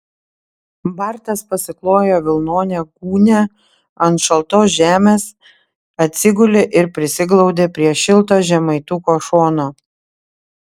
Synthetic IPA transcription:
bɐɾt̪ɐspɐsʲɪklˠoːjoːʋʲɪlˠnoːnʲeːɡuːnʲɛ | ɐnt̪ʃɐlˠt̪oːsʒʲæːmʲeːs | ɐt̪ʲsʲɪɡʊlʲeʔɪɾpʲɾʲɪsʲɪɡlˠɒʊd̪ʲeːpʲɾʲiɛʃʲɪlˠt̪̬oːʒʲɛmɐɪt̪uːkoːʃoːnoː

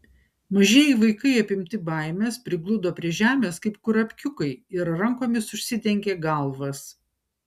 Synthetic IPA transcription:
mɐʒʲeːjiːʋɐɪkɐɪɐpʲɪmʲt̪ʲɪbɐˑɪmʲeːspʲɾʲɪɡlˠʊd̪oːpʲɾʲiɛʒʲæːmʲeːskɐɪp̚kʊɾɐpʲkʲʊkɐɪɪɾɾɐŋˑkoːmʲɪsʊʃʲsʲɪt̪ʲɛŋʲkʲeːɡɐlˠʋɐs

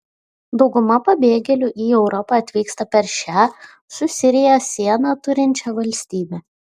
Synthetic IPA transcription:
d̪ɒʊɡʊmɐpɐbʲeːɡʲɛlʲʊʔiːɛʊɾɔpɑˑɐt̪ʲʋʲiːkst̪ɐpʲɛɾʃʲæː | sʊsʲɪɾʲɪjosʲiɛnɑˑt̪ʊɾʲɪnʲt͡ʃʲɛʋɐlʲsʲt̪ʲiːbʲɛ

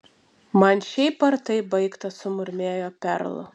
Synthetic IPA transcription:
mɐnʃʲɛɪpɐɾt̪ɐɪbɐɪkt̪ɐsʊmʊɾʲmʲeːjoːpʲɛ̰ɾlˠʊ̰

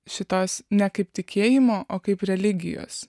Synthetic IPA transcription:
ʃʲɪt̪oːsnʲɛkɐɪpt̪ʲɪkʲeːjɪmoːʔoːkɐɪpɾʲɛlʲɪɡʲɪ̰jo̰ːs

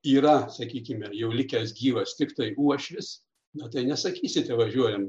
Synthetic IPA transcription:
iːɾɐsɐkʲiːkʲɪmʲɛjɛʊlʲɪkʲɛs̬ɡʲiːʋɐst̪ʲɪkt̪ɐɪuɔʃʲʋʲɪs | mɛt̪ɐɪnʲɛsɐkʲiːsʲɪt̪ʲɛʋɐʒʲuɔjɛm

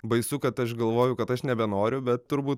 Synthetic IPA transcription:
bɐɪsʊkɐt̪ɐʃɡɐlˠʋoːjʊkɐt̪ɐʃnʲɛbʲɛnoːɾʲʊbʲɛt̪tːʊɾbuːt̪̚

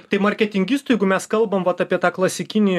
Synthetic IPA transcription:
t̪ɐɪmɐɾʲkʲɛt̪ʲɪŋʲɡʲiːst̪ʊjɛɪɡʊmʲɛskɐlˠbɐmʋɐt̪ɑpʲiɛt̪ɑːklˠɐsʲɪkʲɪnʲɪj

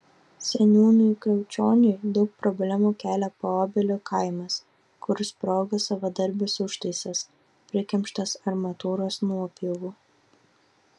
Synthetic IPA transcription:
sʲɛnʲuːnʲʊjkɾʲɛʊt͡ʃʲoːnʲʊɪd̪ɐʊk̚pɾɔbʲlʲæmuːkʲæːlʲɛpoɔːbʲɪlʲokʰɐɪmɐs | kʊɾʲɪspɾoːɡɐsɐʋɐd̪ɐɾʲbʲɪsʊʃt̪ɐɪsʲɐs | pʲɾʲɪkʲɛmʲʃt̪ɐsɐɾmɐt̪uːɾoːsnuɔpʲiʋuː

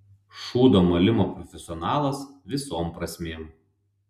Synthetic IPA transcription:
ʃuːd̪oːmɐlʲɪmoːpɾɔfʲɛsʲɪɔnɑːlˠɐsʋʲɪsoːmpɾɐsʲmʲeːm

